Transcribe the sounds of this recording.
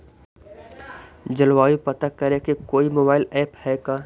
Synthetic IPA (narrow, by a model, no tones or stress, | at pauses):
d͡ʒəlwaːjupɐt̪akɐɾekekoːimoːbaːɪlɛːphɛkaː